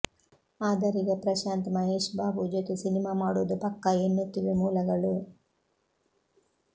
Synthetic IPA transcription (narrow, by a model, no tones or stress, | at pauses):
aːd̪ɐɾiɡɐpɾɐʃaːnt̪ɐmɐɦe̞ːʃbaːbud͡ʒet̪usinimaːmaːɽuːd̪upɐkːɐenːut̪iʋimuːlɐɡɐɭu